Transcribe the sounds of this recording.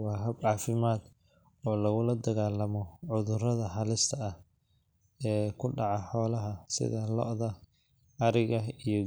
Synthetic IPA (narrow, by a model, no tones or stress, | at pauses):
wɑːɦɐbʕɑːfɪmaːd̪ | ɔːlɐɣʊlɐd̪ɐɣaːlɐmɔʕʊðʊrɐðɐhɐlɪst̪ʰɐɐh | ɛːkʰʊɖɑʕɑħɔːlɐɦɐsɪ̰ðɐlɔ̰ʔðɐ | ɐɾɪɣɐijɔ